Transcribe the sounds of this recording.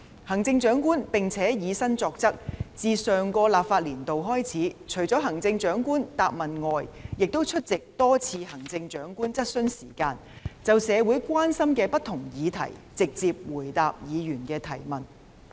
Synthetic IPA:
hɐ˨˩ŋt͡sɪ˧ŋt͡ʃœː˨˥ŋkuː˥npɪ˨ŋt͡sʰɛː˨˥jiː˨˧sɐ˥ŋt͡sɔː˧k̚t͡sɐ˥k̚t͡siː˨sœː˨˩ŋkɔː˧laː˨p̚faː˧t̚liː˨˩nt̪o˨wɦɔː˥jt͡sʰiː˨˥t͡ʃʰɵ˨˩ɥt͡sɔː˨˥ɦɐ˨˩ŋt͡sɪ˧ŋt͡ʃœː˨˥ŋkuː˥nt̪aː˧p̚mɐ˨nŋɔː˨jjɪ˨k̚t̪o˥wt͡ʃʰɵ˥t̚t͡sɪ˨k̚t̪ɔː˥t͡sʰiː˧hɐ˨˩ŋt͡sɪ˧ŋt͡ʃœː˨˥ŋkuː˥nt͡sɐ˥t̚sɵ˥nsiː˨˩kaː˧n | t͡sɐ˨wsɛː˨˧wuː˨˥jkʷaː˥nsɐ˥mkɛː˧pɐ˥t̪ʰʊ˨˩ŋjiː˨˧t̪ʰɐ̰˨˩jt͡sɪ˨k̚t͡siː˧p̚wuː˨˩jt̪aː˧p̚jiː˨˧jyː˨˩nkɛː˧t̪ʰɐ˨˩jmɐ˨˩n

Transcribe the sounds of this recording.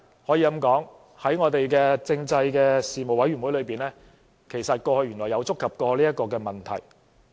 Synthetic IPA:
hɔ˨˥jiː˧kɐ˧˥mkɔː˨˥ŋ | hɐ˨˥jŋɔː˨˧t̪e˨jkɛː˧t͡sɪ˧ŋt͡sɐ˧jkɛː˧siː˨mo˨˩wɐ˨˥jɥy˨˩wu˨˥jlɵ˨˧ɥpiː˨nlɛː˥ | kʰe˨˩jsɐ˨t̚kɔː˧hɵ˧ɥy˨˩nlɔ˨˩jɐ˨˧wt͡sʊ˥kʰːɐ˨p̚kɔː˧liː˥jɐ˥t̚kːɔː˧kɛː˧mɐ˨˩nt̪ʰɐ˨˩j

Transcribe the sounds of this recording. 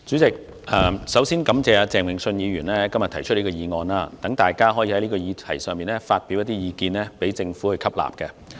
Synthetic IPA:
t͡syː˨˥t͡sɪ˨k̚ | ʔɐː˨˧sɐ˨˥wsiː˥nkɐ˨˥mt͡sɛː˨˧aː˧t͡sɛː˨ŋwɪ˨ŋsɵ˧njiː˨˧ɥyː˨˩nlɛː˥kɐ˥mjɐ˨t̪ʰɐ˨˩jt͡ʃʰɵ˥liː˥kɔː˧jiː˨˧ŋɔː˧nlaː˧t̪ɐ˨˥ŋt̪aː˨jkaː˥ɦɔː˨˥jiː˧hɐ˨˦jliː˥kɔː˧jiː˨˧t̪ʰɐ˨˩jsœː˨ŋmiː˨˩nlɛ˥faː˧t̚pi˨˥wjɐ˥t̪iː˥jiː˨˧kiː˧nlɛː˥pe˨˥jt͡sɪ˧ŋfuː˨˥hɵ˧jkʰɐ˥p̚la̰ː˨p̚kɛ˧

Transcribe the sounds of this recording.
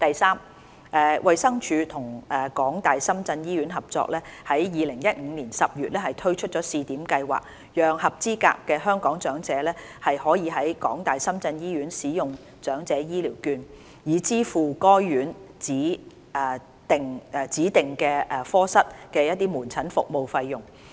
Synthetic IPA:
t̪ɐ˨jsaː˥m | ʔɛː˨˧wʔɐ˨˧jsɐ˥ŋt͡ʃʰyː˨˧t̪ʰʊ˨˩ŋɛ˨kɔː˨˥ŋt̪aː˨jsɐ˥mt͡sɐ˧njiː˥ɥyː˨˥nɦɐ˨p̚t͡sɔ̰ː˧k̚lɛː˥hɐ˨˥jjiː˨lɪ˨˩ŋjɐ˥t̚ŋ̩ː˨˧niː˨˩nsɐ˨p̚jyː˨t̚lɛː˥hɐ˨jt̪ʰɵ˥ɥt͡ʃʰɵ˥t̚t͡ʃɔː˨˥siː˧t̪iː˨˥mkɐ˧jwa̰ː˨˩k̚ | jœː˨ŋhɐ˨p̚t͡siː˥ka̰ː˧kːɛː˧ɦœː˥ŋkɔː˨˥ŋt͡ʃœː˨˥ŋt͡sɛː˨˥lɛː˥ | hɐ˨jhɔː˨˥jiː˨˧ɦɐ˨˥jkɔː˨˥ŋt̪aː˨˩jsɐ˥mt͡sɐ˧njiː˥ɥyː˨˥nsiː˨˥jʊ˨ŋ | t͡ʃœː˨˥ŋt͡sɛː˨˥jiː˥liː˨˩wkyː˧n | jiː˨˧˥t͡siː˥fuː˨kɔː˥jɥyː˨˥nt͡siː˨˥ | ɛː˨˩ | t̪ɪ˨ŋː˨t͡siː˨˥t̪ɪ˨˩ŋkɛː˧ʔɛ˨fɔː˥sɐ˥t̚kɛː˧jɐ˥t̚t̪iː˥muː˨˩nt͡sʰɐ˨˥nfʊ̰˨k̚mo˨wfɐ˧jːʊ˨ŋ

